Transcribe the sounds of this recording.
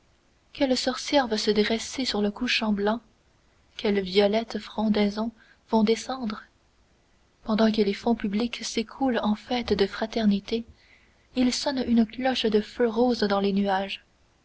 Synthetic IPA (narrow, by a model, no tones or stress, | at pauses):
kʲɛlsɔʁsjɛʁvasəd̪ʁɛsesyʁləkuʃɑ̃blɑ̃ | kʲʰɛlvjɔlɛt̪fʁɔ̃d̪ɛzɔ̃ | v̥ɔ̃d̪esɑ̃d̪ʁə | pɑ̃d̪ɑ̃k̬əlefɔ̃pybliksekʰulɑ̃fɛt̪d̪əfχat̪ɛʁnit̪e | ilsɔnynəklɔʃd̪əføʁoːzd̪ɑ̃lenyaʒ